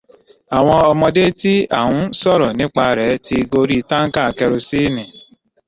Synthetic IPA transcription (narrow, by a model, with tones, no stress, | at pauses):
a˨w̃ɔ̃˧ɔ˧mɔ̃˧de˦ti˦a˦˨wũ˨˦sɔ˦˨ɾɔ˨nĩ˨˦k͡pa˧ɾɛ˨˦ti˧ɡo˧ɾi˦˧ta˦ŋ̩˦ka˦˨kɛ˧ɾo˧si˦˨nĩ˨